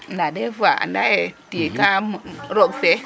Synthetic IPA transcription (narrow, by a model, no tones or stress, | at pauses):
nadevaa̰ndajetijekaɾokse